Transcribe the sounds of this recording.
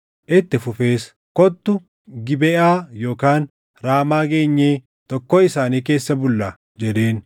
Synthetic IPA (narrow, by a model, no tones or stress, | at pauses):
ʔɪt̪ːɪfʊfe̞ːs | kɔt̪ːʊ | ɡɪbɛʔaːjo̞ːkaːn | ɾaːmaːɡe̞ːɲːeː | t̪ɔkːoːɪsaːniːke̞ːsːɐbʊlːa | d͡ʒɛd̪eːn